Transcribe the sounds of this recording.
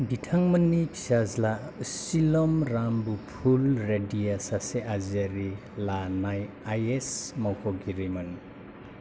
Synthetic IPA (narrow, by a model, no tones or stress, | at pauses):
bitʰaŋmɐnːipʰi̥sazla | silɔmɾambupʰulɾedijasaseʔazaɾi | lanaj | ajesmawkʰɔɡiɾimɐn